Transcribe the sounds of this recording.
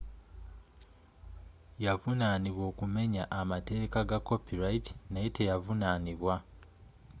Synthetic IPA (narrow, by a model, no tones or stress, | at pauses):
javunaniβwo̞ːkume̞ɲaʔamate̞ːkaɡakːo̞piɾaiti̥najetejavunaniβwa